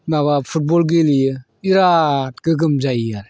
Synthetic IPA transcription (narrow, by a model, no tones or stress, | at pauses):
naβapʰut̚bɔlɡilijɯ | iɾat̚ɡ̥ɯɡɯmzajaɾ